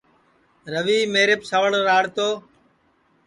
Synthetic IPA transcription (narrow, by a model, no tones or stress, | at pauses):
ɾəʋiːmeːɾɪpsəʋəɭɾaːɽt̪oː